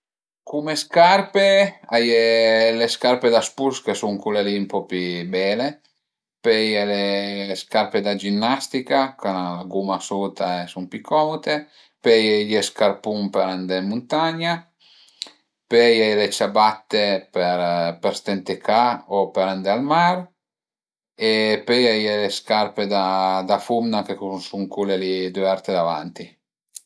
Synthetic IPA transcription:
kumeskarpeajeleskarped̪aspuɾskesuŋkulelimpɔpibɛːle | pɛjeleskaɾped̪ad͡ʒinːast̪ikakanalaɡumasuːt̪aesumpikʰːɔmut̪e | pɛjeʎeskarpumpeɾand̪emunt̪aɲːa | pejɛlet͡ʃabat̪ːepeɾpeɾst̪ent̪ekʰaopeɾand̪ealmaɾ | epeɛjeleskarped̪ad̪afumnakekusuŋkulelid̪eɛɾt̪ed̪ava̰nt̪i

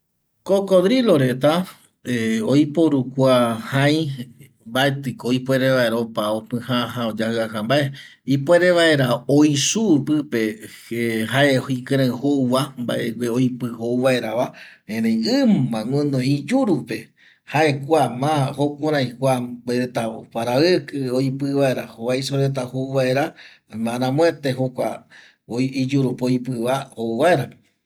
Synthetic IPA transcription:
kokoðɾiloɾe̞t̪a | eojpoɾukʷahãj̃ | mbaet̪ɨkoipʷeɾeʋaeɾaopaopɨ̃haɦaod͡ʒahɨakambae | ipoeɾeʋaeɾaojsupɨpe | ehaeikɨ̃ɾ̃ãɨ̃hoʋamba̰ʔekʷeojpɨhowβaeɾaβaẽɾẽjɨ̃mãõnõid͡ʒuɾupe̞ | haʔe̞kʷamãhokoɾãjkʷabeɾet̪aopaɾawekɨojpɨβaeɾahoβajsoɾet̪̬ahoβae̞ɾa | aɾãmõet̪eɦokʷa̰ | id͡ʒuɾupeojpɨβaoʋaeɾa

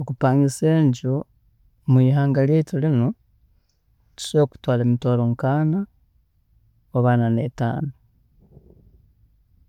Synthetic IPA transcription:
okupaːŋiseːɲɟo | mwiːɦaːŋɡaljetolino | tu̥soːku̥twaːlemitoloŋkaːna | oβaːnaneta̰ːno

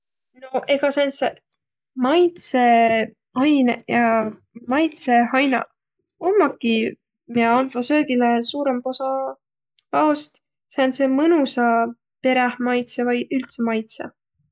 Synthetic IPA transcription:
no̞ʔe̞ɡ̥ɑseense | mɑjt̪se̞ | ɑjnejɑ | mɑjt̪se̞hɑjnɑ̰ | omːɑkːˑi | miɑɑnfɑsø̞ːɡ̥ilesuːɾempo̞sɑ | pɑost̪ | seɑnsemɤnusɑ | pe̞ɾehmɑjt̪sevɑjylt̪semɑjt̪sḛ

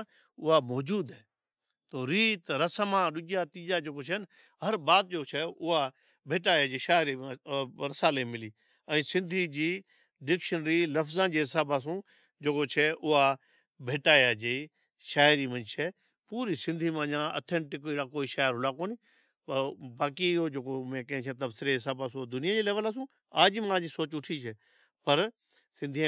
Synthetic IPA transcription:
ʊɦamɔːd͡ʑuːd̪ɛː | t̪oːɾiːt̪ɾɐsəmãɗʊɡijat̪iːd͡ʒad͡ʑeːkot͡ʃʰɐnɪ | ɦɐɾbaːt̪̚d͡ʑoːt͡ʃʰɛʊɦa | bʱeːʈaːjad͡ʑiːʃaːɪɾĩ | ɾɐsaːlemɪliː | ɛ̃ːsɪ̃nd̪ʱid͡ʑiː | ɖɪkʃənɾilɐfzãd͡ʑiːɦɪsaːbas̬ũː | d͡ʑeːkot͡ʃʰɛʔʊɦa | bʱeːʈaːjad͡ʑiː | ʃaːɪɾimɐ̃ɲt͡ʃʰɛ | puːɾisɪ̃nd̪ʱimãɲãɐ̰ːt̪ʰɛ̃ɳʈɪkiːɽakoːiʃaːɪɾɦʊlakoːni | pɐbaːkiɪɦod͡ʑeːkomẽkɐ̃ɦɪ̃t͡ʃʰẽt̪ɐbsɪɾeɦɪsaːbaːsũd̪ʊnijad͡ʑeːlɛːʋəlaːs̬ũ | aːd͡ʑmãːd͡ʑisoːt͡ɕʊʈʰit͡ʃʰɛ | pɐɾ | sɪ̃nd̪ʱĩ

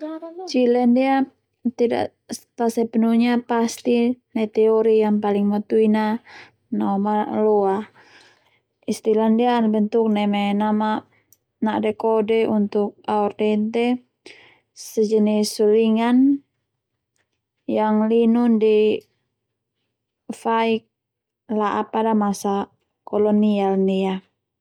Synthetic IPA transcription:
t͡ʃilɛndia | t̪ida̰ʔ | p̪asɛpənuɲapast̪inat̪ɛoɾijaŋpaliŋmat̪uina | nomaloa | ist̪ilandianbənt̪ʊk̚nɛmɛnama | nadɛkodɛʔunt̪uk̚aɔrdɛnt̪ɛ | sɛd͡ʒənisuliŋan | jaŋlinundi | faik̚ | laʔapadamasa | kɔlɔnialnia

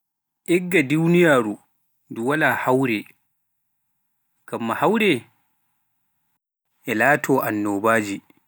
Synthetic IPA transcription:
ʔɛɡːaduwnijaːɾu | duwalaːhawɾɛ | ɡ̥amːahawɾɛ | ʔɛlaːtʰɔːʔanːɔːbaːd͡ʒi

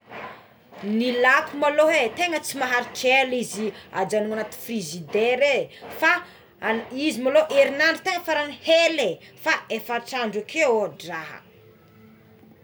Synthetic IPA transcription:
nilakumaloɦet̪eŋət͡simaɦaɾiʈ͡ʂelizia̰d͡ʒanuŋanat̪i̥frizid̪eɾefa | izimaloʔeɾinaɳɖ͡ʐit̪eŋəfaɾanihelefaefaʈ͡ʂaɳɖ͡ʐakʰeodraɦə̰

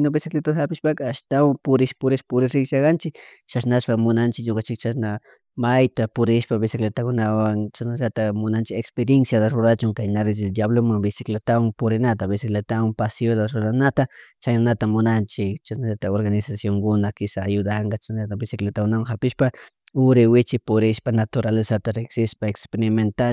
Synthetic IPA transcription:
nobɪsɪklet̪ahapɪʃpakaaʃt̪awampʊɾɪʃpʊɾɪʃpʊɾɪsɾɪɡsakɑnt͡ʃɪkt͡ʃaʃnaʃpamʊnant͡ʃɪkɲokant͡ʃɪkt͡ʃasna | majt̪apʊɾɪʃpabɪsɪklet̪akʊnawaŋt͡ʃasnaʒat̪amʊnant͡ʃɪkekspeɾjensjat̪aɾʊɾat͡ʃʊŋkajnaɾɪt͡ʃɪd̪jablomaŋbɪsɪklet̪awaŋpʊɾɪnat̪abɪsɪklet̪awampasjot̪aɾʊɾanat̪at͡ʃajnanat̪amʊnant͡ʃɪkt͡ʃaʃnaʎat̪aoɾɣanɪsasjoŋkʊnakɪsaːjʊd̪aŋɡat͡ʃaʃnat̪abɪsɪklet̪akʊnawaŋhapɪʃpa | ʊɾɪwɪt͡ʃɪpʊɾɪʃpanat̪ʊɾalesat̪aɾexsɪʃpaekspeɾɪment̪a

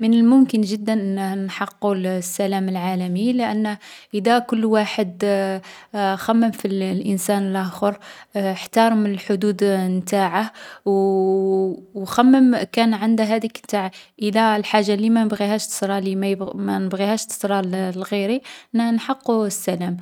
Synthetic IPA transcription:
mənəlmʊmkənʒəd̪ːænʔnːhnħɑqːulsːælæməlʕalæmiləʔænːʔəd̪ækʊlːwaħəd̪ | xæmːəmfillʔənsænəlʔæxəɾħt̪ɑɾˤmənəlħʊd̪ud̪mt̪aʕahw | xæmːəmkænʕand̪æɦæd̪ikmt̪aʕʔəd̪ælħaʒːalːimænəbɣihæʃt̪ə̥sɾˤɑlimæbmænəbɣihæʃt̪ə̥sɾˤɑllɣiɾinnħɑqːuəsːælæm

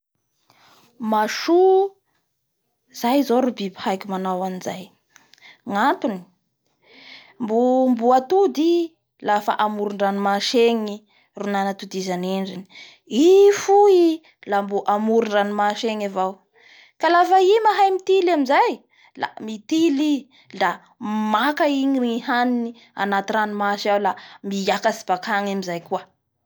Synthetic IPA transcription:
maʃu | z̥ajzoɾubibi̥hajkʲumanawanizaj | ŋant̪uni̥ | mbumbuat̪ud̪i | lafa̰ʔamuɾuɳɖ͡ʐanimaʃeŋi | runanat̪ud̪izaneɳɖ͡ʐini̥ | ifui | lambuʔamuɾuɳɖ͡ʐanimaʃeŋavaw | kalafaimaɦajmit̪ilamizaj | la̰mit̪ili | la | makaiŋinihanini | a̰nat̪iɾanimaʃawlamijakasi̥b̥akʰaŋamizajkuə

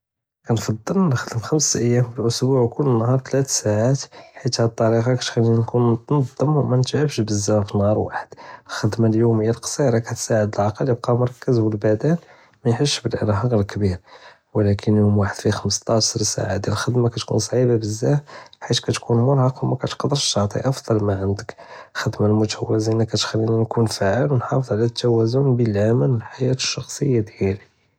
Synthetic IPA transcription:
kænfɑd̪ˤːəlnxd̪əmxəmsʔəjːæmbəlʔʊsbuʕkʊlːənːɦɑɾˤt̪læt̪saʕat̪ħit̪hæt̪ˤːɑɾiqɑkæt̪xæninkunnɑd̪ˤːəmwmænət̪ʕəbʃbəzːæfinːhɑɾˤwa̰ħəd̪̥lxəd̪maljumjːælqsˤiɾˤɑkæt̪saʕəd̪əlʕɑqəljəb̚qɑmʊɾˤɑkːəzbəlbæd̪æn | mæjħəʃːbəlʔə̰ɾɦɑɣəlkbiɾ | wəlækʰənjumwaħəd̪̥fixəməst̪ˤɑʃɾsa̰ʕad̪jæləlxəd̪makæt̪kṵns̬ˤʕibabəzːæħit̪kæt̪kunmʊɾˤhɑqwmækæt̪qd̪əɾəʃːɑt̪ˤḭʔɑfd̪ˤɑlmaʕənd̪ək | xəd̪malmʊt̪æwæzinækæt̪xælːinænkunfaʕəlwənħɑfəðˤʕlæt̪ːæwæzʊnbəlʕamənwəlħajæt̪ə̥ʃːɑxsˤəjːad̪jæli

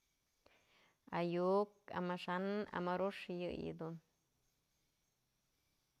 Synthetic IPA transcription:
ajuka̰maʂana̰maɾuʂjɨʔjḭd̪un

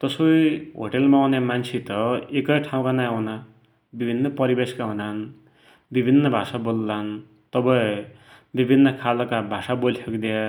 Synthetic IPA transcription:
t̪ʌsojɦo̰ʈelmawnemant͡sʰet̪ʌekʌjʈʰaw̃kanajuna | bibʱinːʌpʌɾibeskaɦunan | bibʱinːʌbʱasabolːan | t̪ʌbʌẽ | bibʱinːʌkʰalʌkabʱasabolsʰʌkd̪ia

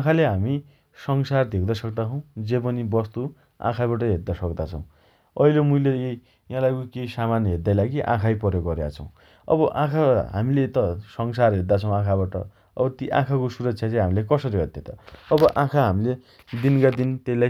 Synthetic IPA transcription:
ãkʰaleɦami | sʌŋsard̪ʱewd̪asʌk̚d̪at͡sʰʌ̃w̃d͡zep̬ʌnibʌst̪u | ã̰kʰaβaʈ̬ʌɦet̪̚d̪asʌkd̪at͡sʰʌ̰̃w̃ | ʌilomuilee | jãlakokejsamanɦet̪d̪ajlaɡiʔã̰kʰajpʌɾjoɡʌɾja̰t͡sʰʌw̃ | ʌ̰bʌʔãkʰaɦa̰milet̪ʌsʌŋsarɦet̪̚d̪at͡sʰʌw̃ãkʰaβaʈʌ̰ | ʌ̰bʌt̪iʔã̰kʰakosuɾʌk̚t͡sʰjat͡sãj̃ɦamilekʌsʌɾiɦʌt̪jet̪ʌ̰ʌbʌʔãkʰaɦamile | d̪inkad̪int̪ela

